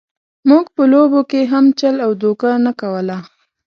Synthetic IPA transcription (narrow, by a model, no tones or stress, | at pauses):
muɡpəlobokeɦamt͡ʃalawd̪okanakawəla